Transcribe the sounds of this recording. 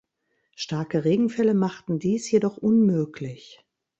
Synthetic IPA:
ʃtaɐkəʁeːɡŋ̩fɛləmaχtn̩diːsjedɔχʔʊnmøːklɪç

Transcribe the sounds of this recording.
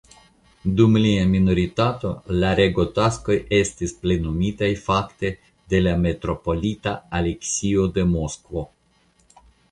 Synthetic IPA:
dumliaminoɾitat̪o̞laɾe̞ɡo̞tasko̞je̞st̪isple̞numitajfakt̪e̞ | de̞lame̞t̪ɾo̞po̞lit̪aːleksiode̞mo̞skvo̞

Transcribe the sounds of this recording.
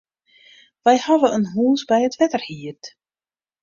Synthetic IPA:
ʋɛjhaʋəənɦuːnsbɛjətʋɛtərhiərt

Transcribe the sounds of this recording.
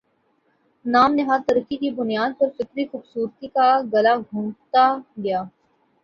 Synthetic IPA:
naːmneɦat̪ɐɾəkːikibʊnijaːd̪̚pɐɾfɪkɾixʊbsuːɾt̪ikaɡɐlaɡʱũːmt̪aɡɐjaː

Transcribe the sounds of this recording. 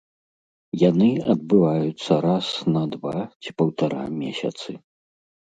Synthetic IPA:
janɨɐd̪̚bɨvajut̪sːɐɾasnɐd̪vat͡sʲi̥pɐwt̪aɾa̰mʲɛsʲɐ̰t̪sɨ

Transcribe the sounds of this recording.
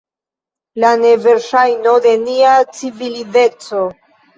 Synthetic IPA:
lane̞ve̞ɾʃajno̞de̞niat͡sivilide̞t͡so̞

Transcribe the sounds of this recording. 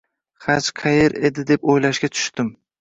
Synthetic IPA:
χat͡ʃqʰɑjeɾe̞d̪ɪd̪epojlaʃkʲat̪ʰʊ̥ʃt̪ɪm

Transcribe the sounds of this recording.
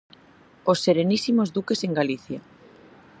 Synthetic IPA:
osːeɾenisimozðukeseŋɡaliθja

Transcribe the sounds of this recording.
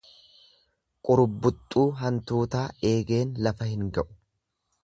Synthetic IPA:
kʼʊɾʊbːʊt̪ʼːuːɦɐnt̪uːt̪aːe̞ːɡe̞ːnlɐfɐhɪŋɡɐʔʊ̥

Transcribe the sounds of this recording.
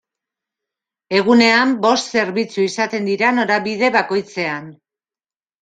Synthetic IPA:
e̞ɣ̞une̞ambo̞st̪se̞ɾβit͡suisat̪e̞nd̪iɾano̞ɾaβiðe̞βako̞jt͡se̞an

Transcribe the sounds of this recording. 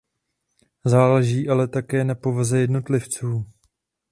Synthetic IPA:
zaːlɛʒiːʔalɛt̪akɛːnapo̞vazɛjɛdno̞t̪lɪft͡suː

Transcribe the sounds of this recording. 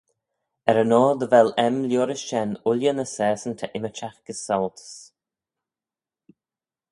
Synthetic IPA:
ɛɾənɔːd̪əvɛlɛmljoːɾɪsʃɛnʊljənəsɛːsənt̪ʰəʔɪmət͡ʃaxɡ̥əsɔlt̪ʰə̥s

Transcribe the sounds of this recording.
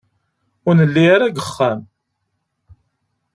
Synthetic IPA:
ʊɾnəlːiaɾaɡəχːæm

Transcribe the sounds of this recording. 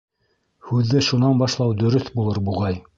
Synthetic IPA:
hʉðːɘʃunɑnbɑʃlˠɑwd̪ɵ̆ɾɵθbulˠɤɾbuʁɑj

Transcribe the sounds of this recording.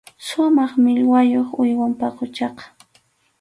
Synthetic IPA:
sʊmɑχmɪʎwajoχʊjwampaqʊt͡ʃɑqɑ̥

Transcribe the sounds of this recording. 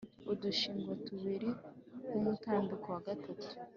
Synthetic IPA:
uduʃiːŋɡwatuβiɾikumutaːnbukowaɡatʰatu̥

